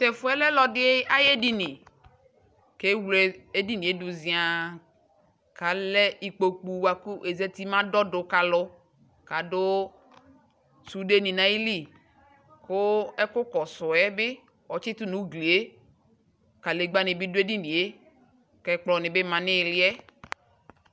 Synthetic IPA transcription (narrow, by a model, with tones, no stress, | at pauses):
t̪ɛ˨fo˦ɛ˦lɛ˦lɔ˦dɪ˦e˦a˦je˦di˦nĩ˨ | ke˦wlɛ˨e˦di˦nĩ˨e˦du˨zĩ˨a˨ | ka˨lɛ˦i˨k͡po˨k͡pu˨wa˨ku˦ʔe˨ze˦t̪i˦mã˦dɔ˦do˨ka˨lɔ˦ | ka˨do˦ | su˨de˦nĩ˨nã˨˦i˦li˦˨ | ko˦ɛ˦ko˦kɔ˨sɔ˨ɛ˦be˦ | wɔ˨t͡ʃi˦t̪u˦nũ˨˦ɡli˨e˦ | ka˨le˨ɡ͡ba˦nẽ˨bi˦do˦e˦di˦nĩ˨e˦ | kɛ˦k͡plɔ˨nɪ̃˨be˦mã˨nẽ˦˨lɪ˦ɛ˦